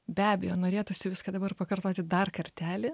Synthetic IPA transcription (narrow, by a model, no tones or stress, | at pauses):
bʲæːbʲɛjoːnoːɾʲeːt̪ʊsʲɪʋʲɪskɐd̪ɐbɐrpɐkɐrt̪oːt̪ʲɪd̪ɐrkɐɾʲt̪ʲæːlʲɪ